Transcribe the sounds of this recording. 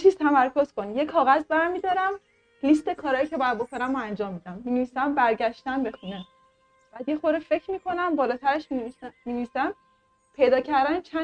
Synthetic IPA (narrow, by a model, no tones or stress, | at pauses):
t͡ʃʰiːz̥t̪ʰæmæɾkʰo̞z̥ko̞njekʰɒːɣæzbæɾmid̪ɒːɾæm | list̪e̞kʰɒːɾɒːjiːcʰebɔjæd̪̚bo̞kʰo̞næmoænd͡ʒɒːmːiːd̪æmːineviːsæmbæɾɟæʃt̪ænbe̞xune | b̥æːd̪jexoɾefecʰɾmiːkʰo̞næmbɒːlɒːt̪ʰæɾeʃmiviːsæm | pʰe̞jd̪ɒːcʰæɾd̪ænet͡ʃʰæ